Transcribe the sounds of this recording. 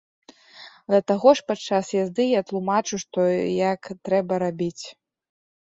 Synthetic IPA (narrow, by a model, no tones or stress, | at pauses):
d̪ɐt̪aɣɔʂpatt͡ʂːasjazd̪ɨjat̪lˠumat͡ʂuʂt̪ɔjakt̪ɾɛbɐɾabʲit͡sʲ